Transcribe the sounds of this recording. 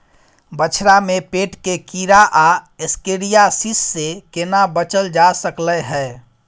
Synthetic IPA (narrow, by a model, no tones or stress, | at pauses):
bət͡ʃʰɾamepeʈkekiɾaʔaeskeɾijasisːekenabət͡ʃəld͡ʒasəklɛɦɛː